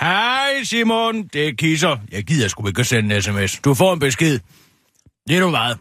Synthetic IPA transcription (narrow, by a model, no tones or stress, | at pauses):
hæɪsimond̥e̝kʰis̬ɐjɑɪɡ̥ið̰ˠjæsɡ̥ueɡ̥əsennesemesd̥ufɒ̰ːenb̥e̝sɡ̥eð̰ˠ | leɾɒmmɑ̈ːð̩ˠ